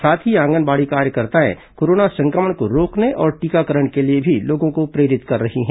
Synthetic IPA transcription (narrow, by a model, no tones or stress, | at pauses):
saːt̪ʰɦiãːŋɡənbaːɽikaːɾjəkəɾt̪aḛ̃koːɾoːnasɐ̃ŋkɾəməɳkoɾoːkneʔɔːɾʈiːkakəɾəɳkeliebʱiloːɡõɡkopɾeːɾɪt̪kɐɾːɐɦiɦɛ̃ː